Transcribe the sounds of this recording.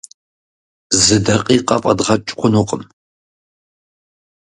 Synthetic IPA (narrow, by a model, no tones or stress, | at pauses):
zɨdɐqʼiːqʼɐpʼɐdʁɐt͡ʃʼqʷʰʊnuqʼəm